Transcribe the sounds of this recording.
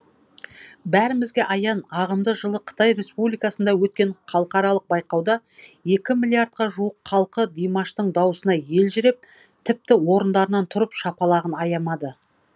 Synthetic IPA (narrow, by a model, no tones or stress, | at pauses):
bæɾɪmɪzɡʲe̞ʔɑjɑnɑʁəmd̪əʒəlˠəqʰə̥t̪ɑjɾe̞spublijkɑsənd̪ɑwɵt̪̚kʲe̞ɴχʰɑlˠəqɑɾɑlˠəq̚bɑjqɑwd̪ɑje̞kʲɪmilʲiaɾt̪̚qɑʒuəqʰːɑlˠqəd̪ijmɑʃt̪əɴd̪ɑwəsənɑje̞lʒɪɾep̚t̪ʰɪp̚t̪ɪwo̞ɾənd̪ɑɾənɑnt̪ʰʊɾəpʃɑpɑlˠɑʁənɑjɑmɑd̪ə